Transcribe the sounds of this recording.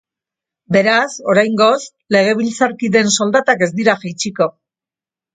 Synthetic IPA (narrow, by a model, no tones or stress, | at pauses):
be̞ɾaso̞ɾajŋɡo̞s | le̞ɣ̞e̞β̞ilt͡saɾkiðe̞nso̞ld̪at̪ake̞zd̪iɾaʝajt͡ʃiko̞